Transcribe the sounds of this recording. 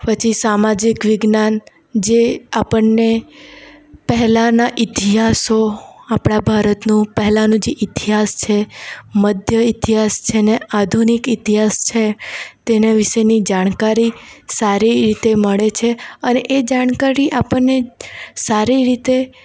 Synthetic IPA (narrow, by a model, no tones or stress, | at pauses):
pət͡ʃʰisamad͡ʒikʋɪɡnan | d͡ʒeapəɳnːe | pəɦɛlanaʔɪt̪iɦasoapɽabʱaɾət̪nũpɛɦɛlanũd͡ʒeʔɪt̪iɦast͡ʃʰeməd̪ʱjəit̪iɦast͡ʃʰenead̪ʱunikɪt̪iɦast͡ʃʰet̪eneʋɪʃenid͡ʒaɽ̃kaɾisaɾiɾit̪eməɭet͡ʃʰeəneʔed͡ʒaɳ̃kaɾiʔapəɳːesaɾiɾit̪e